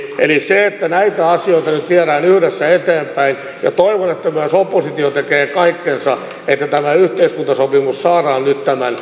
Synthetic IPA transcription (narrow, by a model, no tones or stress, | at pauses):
ʔḛliseet̪ːænæit̪æɑsioit̪ɑnyt̪ʋiæɾæːnyhɾesːæet̪eːmpæin | jɑ̰t̪oiʋonet̪ːæmyæsopːosit̪iot̪ekeːkɑikːensɑ | et̪ːæt̪æmæyht̪eiskunt̪ɑsopimussɑːrɑːnnyt̪t̪æmæn